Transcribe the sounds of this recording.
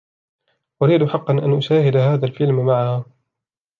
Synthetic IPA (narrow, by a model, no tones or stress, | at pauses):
ʔʊɾiːd̪ħɑqːɑnʔanʔʊʃaːhɪd̪aɦaːðalfɪlmmaʕahaː